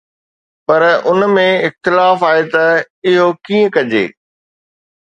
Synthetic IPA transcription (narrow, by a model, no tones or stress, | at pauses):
pɐɾʊnmẽɪxt̪ɪlaːfaːet̪ɐ | ɪɦokĩːə̃kɐd͡ʑḛː